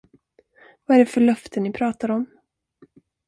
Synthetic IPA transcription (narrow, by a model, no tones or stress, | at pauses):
vaæɖɛfœɭœft̪ʰənːɪpʰɾɑːt̪aɾɔm